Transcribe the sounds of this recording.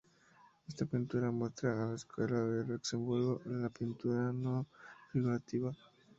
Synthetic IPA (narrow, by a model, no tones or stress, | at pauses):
est̪apint̪uɾamwest̪ɾaːlaeskwelaðelekse̞mbuɾɣoʔlapint̪uɾanopɾiβat̪iβa